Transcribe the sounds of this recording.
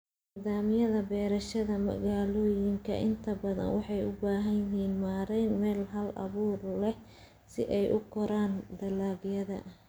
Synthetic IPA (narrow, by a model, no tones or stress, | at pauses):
nniːðaːmɪjɐðɐbɛːɾɐʃɐðɐmɐ̰ɣaːlɔːjɪŋkʰɐ̰ʔɪnt̪ʰɐbɐðɐ̰nwɑħɑjʊbaːɦɐjɪɦiːnmaːɾɛjnmɛːlɦɐlʔɐ̰βuːrlɛh | sɪ̰ʔɛjʔʊkʰɔɾaːnd̪ɐlaːɡjɐðɐ̰